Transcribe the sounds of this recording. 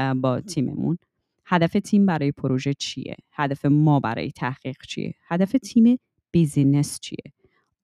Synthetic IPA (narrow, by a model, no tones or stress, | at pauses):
bɒːt̪ʰiːmḛmṵn | hæd̪æfe̞t̪ʰiːmbæɾɒːje̞pʰoɾoʒet͡ʃʰḭjḛhæd̪æfe̞mɒːbæ̰ɾɒ̰ːjet̪ʰæhɢ̥iːɣ̥t͡ʃʰḭjḛhæd̪æfet̪ʰiːme | b̥izinest͡ʃʰḭjḛ